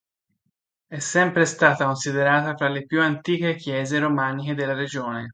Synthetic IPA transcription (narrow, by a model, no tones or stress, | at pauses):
ɛsːɛmpɾest̪aːt̪akonsid̪eɾaːt̪afɾalːepjuant̪iːkek̟jɛːzeɾomaːnik̟ed̪elːaɾed͡ʒoːne